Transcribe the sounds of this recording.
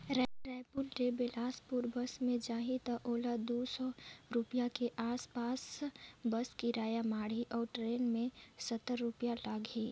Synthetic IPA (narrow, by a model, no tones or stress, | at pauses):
ɾɛɾɛːɪpulɖebelaːspuɾbəsmẽd͡ʒaːɦit̪əʔoːlad̪usɔɾupijakeʔaːspaːsbəskiɾaːjamaːɽ̤iʔɔːɾʈɾeːnmẽsət̪ːəɾːupijalaɡʱi